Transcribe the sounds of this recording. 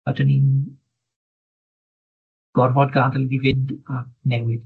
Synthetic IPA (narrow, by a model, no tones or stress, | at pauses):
adʰənin | ɡ̥ɔrvɔdɡaːndəlidivɪndak̚nɛwɪd